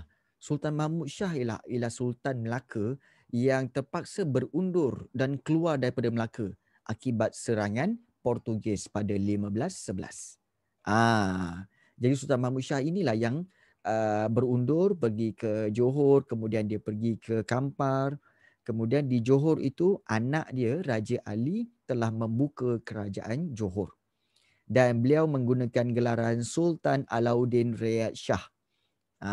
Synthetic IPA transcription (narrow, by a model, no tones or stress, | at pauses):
sult̪anmãmut̪̚ʃaɦila̰hilahsult̪anməlakʰə | jaŋt̪ərpak̚sabərundʊrdankəluardaɾipadaməlakə | ʔakibat̪̚səɾaŋãn | pɔrt̪uɡɛspadalimãbəlasːəbəla̰s | ʔa | d͡ʒadis̬ult̪anmamut̪ʃahinilahjaŋ | ʔəbəɾundʊrpərɡikəd͡ʒoɦɔrkəmũdiandiəpərɡikʰəkampar | kəmũdiandid͡ʒoɦɔrḭt̪uʔana̰ʔdiərad͡ʒəʔalit̪əlahmə̃mbukəkəɾad͡ʒa̰ʔand͡ʒoɦɔr | danbəliawmə̃ŋɡunãkanɡəlaɾansult̪ana̰lawdɪnreat̪̚ʃah | ʔa